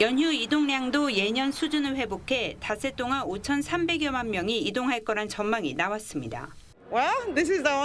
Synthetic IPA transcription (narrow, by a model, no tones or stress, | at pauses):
jʌnɦjuidoŋɲaŋdoje̞ɲʌnsʰud͡ʑunɯɭɸwe̞bokʰe̞tasʰe̞t͈oŋanot͡ɕʰʌnsʰambe̞ɡjʌmanmjʌŋiidoŋɦaɭk͈ʌɾant͡ɕʌnmaŋinawas͈ɯmɲida̰ | waðɪs̬ɪzðio